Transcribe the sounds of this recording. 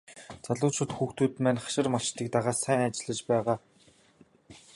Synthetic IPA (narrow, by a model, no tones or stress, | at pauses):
t͡saɮʊːt͡ɕʰʊ̆t̪xuːxt̪uːt̪mæːnχḁʃɪ̆rmaʃt̪iːk̚t̪aʁaːsæːŋat͡ɕɪ̆ɮə̆t͡ɕpæːʁaː